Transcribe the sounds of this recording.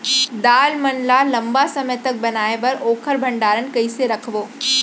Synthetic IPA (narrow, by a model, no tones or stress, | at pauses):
d̪aːlmɐnlalɐ̃mbasɐməjt̪ɐk̚bɐnaːebɐɾoːkʰəɾbʱɐ̃ɳɖaːɾənkɐiseɾɐkʰʋoː